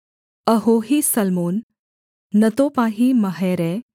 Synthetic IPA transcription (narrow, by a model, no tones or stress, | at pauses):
əɦoɦisəlmoːnː | ət̪oːpaːɦimɐɦeɾe